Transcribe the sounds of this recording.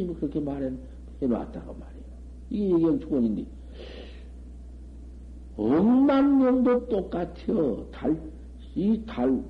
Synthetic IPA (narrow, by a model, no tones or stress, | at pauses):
iŋɡokɯɾʌkʰe̞maɾen | heɾoa̰t̚t͈aɡomaɾejo | iɡejeɡiant͡ɕʰoʌɲindi | ʌŋmanɲʌŋdot͈ok͈atʰijʌtaɭ | itaɭ